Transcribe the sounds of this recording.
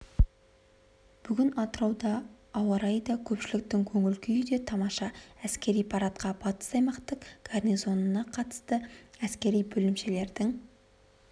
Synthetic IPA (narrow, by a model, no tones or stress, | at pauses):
b̥ʏɡʲɪnɑt̪əɾɑwd̪ɑː | wɑɾɑjd̪ɑkʲʰɵpʃɪlɪk̚t̪ɪŋkʲʰɵŋɪlkʲɪjʏd̪e̞t̪ʰɑmɑʃɑæskʲe̞ɾijpʰɑɾɑt̪qɑb̥ɑt̪ə̥sɑjmɑqt̪əqɡ̥arnizo̞nənɑqʰɑt̪ə̥st̪əæskʲe̞ɾijbɵlɪmʃe̞le̞ɾd̪ɪŋ